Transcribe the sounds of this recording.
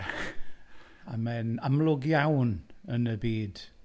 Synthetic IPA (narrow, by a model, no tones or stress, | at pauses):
a̰mɛnamlˠʊɡjawnənəbiːd̥